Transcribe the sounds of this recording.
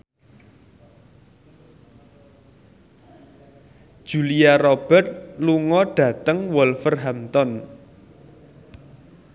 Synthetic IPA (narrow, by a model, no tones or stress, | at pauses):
d̥ʒ̥uliarɔb̥ɛ̤t̪̚luŋɔɖ̥ä̤t̪əŋwɔlfərɦamt̪ɔn